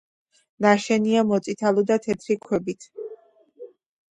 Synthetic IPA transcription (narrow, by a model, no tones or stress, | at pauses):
naʃɛniamɔt̪sʼit̪ʰalˠɔd̪at̪ʰɛt̪ʰɾikʰwɛbit̪ʰ